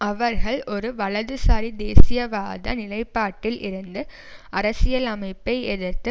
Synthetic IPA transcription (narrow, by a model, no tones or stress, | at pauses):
ɐʋɐɾɣɐɭɔɾɯʋɐɭɐðɯsaːɾid̪eːsɪjɐʋaːðɐ̰nɪlɐɪpːaːʈːɪlʔɪ̰ɾɯnd̪ɯ | ɐɾɐsɪjɐlɐmɐɪpːɐɪɛðɐɾt̪ɯ